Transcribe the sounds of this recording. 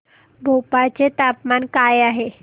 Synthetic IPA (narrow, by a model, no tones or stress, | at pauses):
bʱowpat͡set̪apmankajaɦe